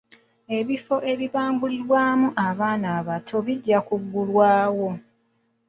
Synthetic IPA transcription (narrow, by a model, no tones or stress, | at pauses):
e̞βifo̞ʔe̞βiβaːmbuliɾwaːmuʔaβaːnaːβatʰo̞βiɟːakuɡːulwaːwo̞